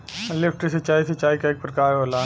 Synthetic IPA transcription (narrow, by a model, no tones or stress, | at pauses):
lɪfʰʈɪset͡ʃaːiset͡ʃaːikaɪk̚pəɾkaːola